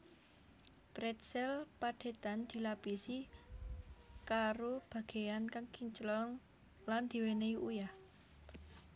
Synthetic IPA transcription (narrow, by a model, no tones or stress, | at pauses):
pɾɛt̪̚sɛlpaɖ̪̥e̤t̪and̪̥i̤lapisi | kaɾob̥ä̤ɡ̥e̤ankaŋkiɲt͡ʃəlɔŋ | land̪̥i̤weneiʔujah